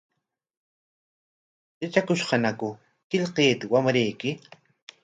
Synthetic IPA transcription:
ɪt͡ʃakʊʃqɑnakʊ | kɪʎqeːt̪ɪwamɾejkɪ

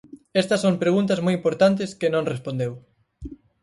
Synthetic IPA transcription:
ɛst̪ɐsompɾeɣ̞unt̪ɐzmojimpoɾt̪ant̪̬ɪskenõŋrespõnd̪ew

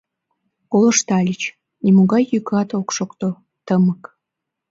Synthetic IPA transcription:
koləʃt̪ɑlʲit͡ɕ | imoɣɑjːykɑt̪okʃokt̪o | t̪əmək

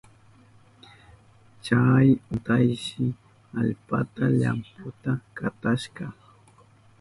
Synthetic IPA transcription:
t͡ʃajʊt̪ajʃɪ | aʎpa̰t̪aʎa̰mpʊt̪akat̪aʃɢɑ

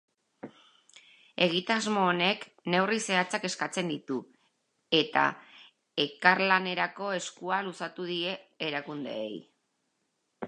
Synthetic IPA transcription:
e̞ɣ̞it̪azmo̞ːne̞k | ne̞wrise̞at͡sake̞skat͡se̞nd̪it̪u | e̞t̪a̰ | e̞kaɾlane̞ɾako̞e̞skualusat̪uðie̞ːɾakund̪e̞̰ːḛj

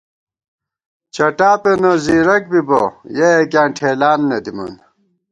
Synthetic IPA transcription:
t͡ɕɐʈaːpenɐziːɾɐk̚bibojeekʲjãːʈʰeːlaːnːɐd̪imɐ̰n

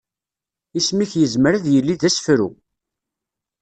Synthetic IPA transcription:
ismiçjəzməɾæðjəlːiðæsfɾṵ

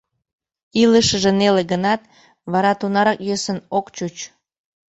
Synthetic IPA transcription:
iləʃəʒeneleɣənɑt̪̚ | βɑɾɑt̪unɑɾɑkjøsənokt͡ɕut͡ɕ

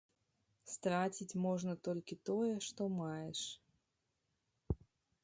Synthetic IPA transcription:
st̪ɾat͡sʲit͡sʲmɔʐnɐt̪ɔlʲkʲit̪ɔjɛʂt̪ɔmajɛʂ

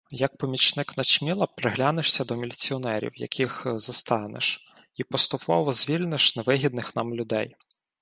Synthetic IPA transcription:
jɐk̚pɔmʲit͡ʃnɪknɐt͡ʃmʲilˠɐpɾɪɦlʲanɪʃsʲɐd̪ɔmʲilʲit͡sʲiɔnɛɾʲḭwjɐ̰kʲʰixzɐst̪ɑnɪ̰ʃ | ipɔst̪ʊpʰɔʋɔzʲʋʲilʲnɪʃneʋɪɦʲid̪̚nɪxnɑmlʲʊd̪ɛj

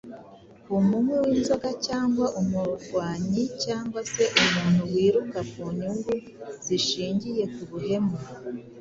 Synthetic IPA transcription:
umumwewiːnzo̞ɡacaːŋɡwaʔumuɾɡwaːɲicaːŋɡwase̞ʔumuːn̥huwiːɾukakuɲuŋɡu | z̥iʃiːɲɟije̞kuβuhe̞me

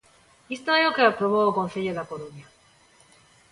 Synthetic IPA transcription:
ist̪oeokeapɾoβookonθeʎoðakoɾonja

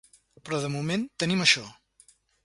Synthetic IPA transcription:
pɾɔðəmument̪əniməʃɔ

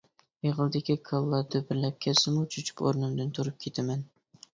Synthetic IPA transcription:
eʁɨlˠd̪ɪkʲikʰɑlˠːɑd̪ɑbɪɾlæp̚kʲʰæsɪmut͡ʃʰyt͡ʃʰy̥ko̰ɾnɨmd̪ɪnt̪ʰuɾɨp̚kʲʰet̪ʰæmæn

